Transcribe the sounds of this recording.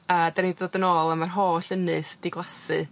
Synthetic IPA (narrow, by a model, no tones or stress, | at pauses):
ədɛɾidɔdənɔːlˠəmarɦoːɬənɨsd̥iɡlˠasɨ